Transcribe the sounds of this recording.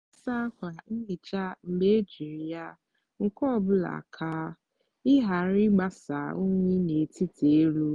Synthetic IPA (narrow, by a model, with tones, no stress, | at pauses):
a˦sa˦kʷa˨n̩˦li˨t͡ʃa˦m̩˨me˦e˦d͡ʒi˨ɾi˨ja˦ | ŋ̩˨kɔ˦˨bʊ˦la̰˨kʰaː˦ | ɪ˦ɦa˨ɾɪ˦ɡ͡ba˦sa˨o˦ɲʷe˦ne˨ti˦te˨e˦ɾu˦